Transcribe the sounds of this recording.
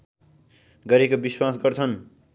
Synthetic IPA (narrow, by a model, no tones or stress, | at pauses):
ɡʌɾekobiswas̬ɡʌrt͡sʰʌn